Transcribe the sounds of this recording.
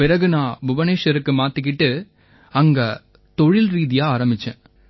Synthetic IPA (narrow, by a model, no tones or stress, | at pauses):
pɪɾɐɣɯnãːbʊbɐneːʂɐɾɯkːɯmaːt̪ːɯk̬ːɪʈːɯ | ɐŋɡɐ | t̪ɔɻɪlɾiːðɪjaːaːɾɐmbɪt͡ʃːɛ̰̃ː